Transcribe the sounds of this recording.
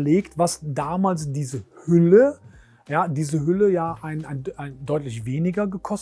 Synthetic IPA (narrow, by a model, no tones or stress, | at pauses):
leːktv̥asdaːmaːlsd̥iːzəhʏlə | jaːdiːzəɦʏləjaːʔaɪnaɪnaɪndɔʏtlɪçveːnɪɡɐɡəkʰɔs